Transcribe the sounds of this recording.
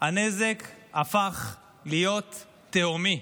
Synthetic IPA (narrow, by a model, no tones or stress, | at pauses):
hane̞zekafaχ | lijo̞t̪ː | eomi